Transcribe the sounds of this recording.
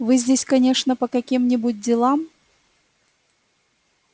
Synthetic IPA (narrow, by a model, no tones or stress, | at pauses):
vɨzʲdʲesʲkɐnʲeʂnəpəkɐkʲimnʲɪbʊt̚ʲdʲɪlˠam